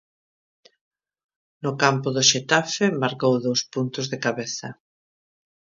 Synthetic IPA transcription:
nʊkampʊðʊʃet̪afɪmaɾkowðowspunt̪ʊzðɪkaβeθɐ

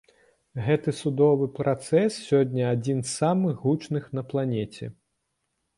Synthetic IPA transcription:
ɣɛt̪ɨsud̪ɔvɨpɾat̪sɛsːʲɔdʲnʲɐad͡zʲinssːamɨxɦut͡ʂnɨxn̪ɐplˠanʲɛt͡sʲɛ̰

